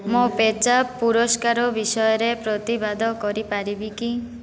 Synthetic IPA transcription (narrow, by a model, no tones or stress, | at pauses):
mopet͡ʃapuɾɔskaɾɔbisɔjɔɾepɾɔt̪ibad̪ʱɔkɔɾipaɾibiki